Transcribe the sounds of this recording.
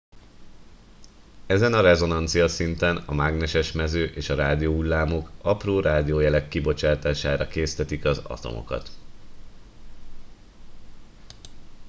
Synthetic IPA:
ɛzɛnɒɾɛzo̞nɒnt̪sijɒsint̪ɛnɒmaɡnɛʃɛʃmɛzøːʔeːʃɒɾaːd̪ijoːulːaːmo̞kɒproːɾaːd̪ijoːjɛlɛkːibo̞t͡ʃaːt̪aːʃaːɾɒkeːst̪ɛt̪ikɒzɒ̰t̪o̞̰mʔo̰kɒ̰t̪

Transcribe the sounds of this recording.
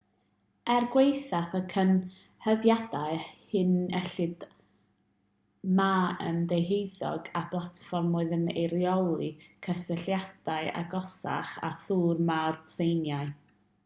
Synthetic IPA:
ɛrɡwejθaθəkʰən | həðjadaɨhɨnɛɬɨd | maə̰ndejɦejðɔ̰ɡab̥lˠatfɔrmʊɨðənḛjɾjɔlˠɨkʰəstəɬjad̥aɨa̰ɡɔsa̰χa̰θuːrmard̥sejnjaɨ

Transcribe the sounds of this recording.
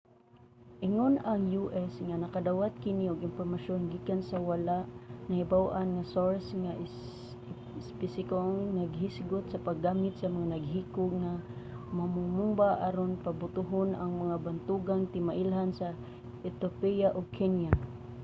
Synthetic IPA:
ʔɪŋonaŋjuʔɛsŋanakad̪awat̪̚kɪniʊɡɪnfoɾmaʃonɡikansawalaʔnahɪbawʔanŋasoɹsŋaʔ | spɪsɪkoŋnaɡɦisɡʊt̪sapaɡːaːmɪt̪̚samaŋanaɡ̚ɦiːkʊɡ̚ŋa | mamʊmumbaʔaɾonpabʊt̪ʊɦʊnʔaŋmaŋabant̪uɡaŋt̪ɪmaʔɪlɦansa | ɛt̪opijaʔoɡ̚kʰɛnja

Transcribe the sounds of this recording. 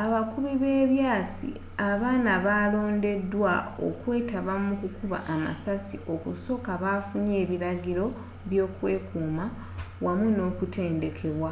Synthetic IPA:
aβakuβiβe̞ːβjaːsḭ | aβaːnaβaːlo̞ːnde̞dːwao̞̰kwe̞ːtaβamukukuβa̰ʔːma̰sasio̞kuso̞kaβafuɲe̞ːβiɾaɡiɾo̞ | βjo̞ːkwe̞̰ːkuːma | wamuno̞ːkute̞ːnde̞kʰe̞βwa

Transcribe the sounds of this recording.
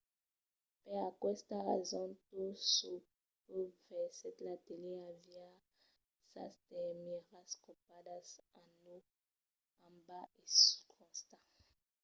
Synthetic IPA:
pɛakwɛst̪aʁɛzɔ̃tusu | tuvɛsɛt̪lateliavja | sa̰stɛmiʁaskopadasano | ãmbaeskʰɔ̃st̪a

